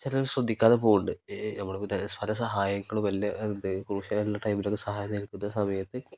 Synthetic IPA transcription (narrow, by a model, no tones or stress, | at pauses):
t͡ɕɐlɐsrɐd̪ʱːikʲːaːðepo̞ːɣuɳɖɨnɐmːɐɽeot̪ɐnespʰɐlɐs̬ɐɦaːjɐŋːɐɭumʋɐlːjɐʔend̪ɨkuɾuːɕɐelːaːʈɐjmilo̞kːesɐɦaːjɐnːɐiɾikːunːɐsɐmɐjɐt̪ːɨ